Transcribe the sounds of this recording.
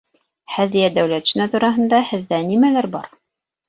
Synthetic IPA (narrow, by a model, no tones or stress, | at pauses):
hæðijæd̪æwlæt̪ʃɘ̆næt̪uɾɑɦɤ̆nd̪ɑhɘ̆ðːænimælæɾbɑɾ